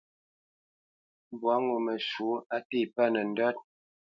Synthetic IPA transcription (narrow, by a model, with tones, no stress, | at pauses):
bwa˨˦ŋu˨mə˨ʃu˨˦a˦ti˦˨pa˦˨nə˨n̩˦dɔ˦t̚